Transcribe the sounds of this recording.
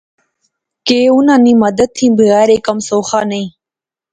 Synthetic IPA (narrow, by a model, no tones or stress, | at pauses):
keːunãːnimɐd̪ət̪̚t̪ʰːĩːbiɣaːɾekɐmsoːxaːnɐi